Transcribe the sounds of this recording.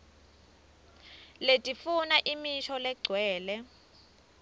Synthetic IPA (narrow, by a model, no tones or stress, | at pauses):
letʼifunaʔimiʃɔlɛɡ͡ǀʱwɛːlɛ